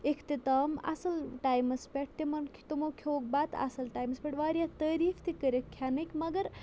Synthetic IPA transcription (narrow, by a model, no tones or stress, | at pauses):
ekʰt̪it̪aːma̰sɐlʈaːjmɐspeʈ̚t̪imɐnʰt̪imokʰoːk̚baːt̪a̰sɐlʈaːjmɐspʲeʈʋaːɾijat̪əːɾiːfʰt̪ʰikəɾekʰjanɐkmɐɡəɾ